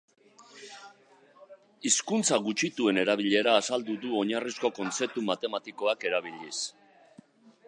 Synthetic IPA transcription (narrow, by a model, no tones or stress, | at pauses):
iskunt͡saɣut͡ʃit̪ue̞ne̞ɾaβ̞iʎe̞ɾaːsald̪uðuo̞ɲarisko̞ko̞nt͡se̞t̪umat̪e̞mat̪iko̞ake̞ɾaβ̞iʎis